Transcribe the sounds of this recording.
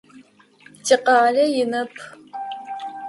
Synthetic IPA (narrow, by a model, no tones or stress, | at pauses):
tʰʼɪqɑːɮɐjɪnɐpʰ